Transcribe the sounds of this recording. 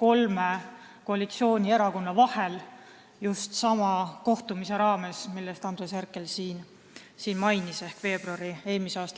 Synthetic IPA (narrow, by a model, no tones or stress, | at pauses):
ko̞lme | ko̞ɑlit̪sio̞ːnʲie̞ɾɑko̞nːɑvɑhe̞l | just̪sɑmɑko̞ht̪umise̞ɾɑːme̞smilːest̪ɑnd̪resærkːˑe̞lsiːn | siːnmɑjnise̞hkve̞ːb̥ruɑɾie̞ːlmiseɑːst̪ɑ